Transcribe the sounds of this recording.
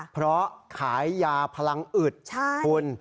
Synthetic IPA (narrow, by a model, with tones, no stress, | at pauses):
pʰɾɔ˦˥kʰaː˩˦jːaː˧pʰa˧la˧ŋʔɯ˨˩t̪̚t͡ɕʰu˧n